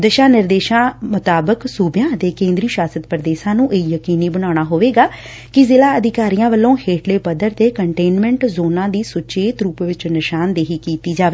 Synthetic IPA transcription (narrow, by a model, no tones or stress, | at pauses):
d̪əʃaːnɪɾd̪eːʃãːmʊt̪aːbəksuːbjãːd̪eːkẽːnd̪ɾiːʃaːsət̪pɾəd̪eːʃãːnũːʔeijəkiːniːbəɽ̃aːɽ̃aːɦoːʋeːɡaː | kɪzɪlaːəd̪ɪkaːɾijãːʋəlːõːheːʈleːpəd̪əɾt̪eːkəɳʈeːnmɛ̃ːɳʈzoːnãːd̪iːsʊt͡ʃeːt̪ɾuːpʋɪt͡ʃnɪʃaːnd̪eːɦiːkiːt̪iːd͡ʒaːʋeː